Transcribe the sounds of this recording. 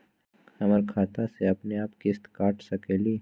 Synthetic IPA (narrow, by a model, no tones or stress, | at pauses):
ɐməɾkʰaːt̪aseɐpneaːpkɪst̪kaːʈsɐkeːliː